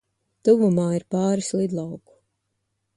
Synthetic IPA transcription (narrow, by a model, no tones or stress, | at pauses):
t̪uvumaːiɾpaːɾislˠid̪lˠɑwku̥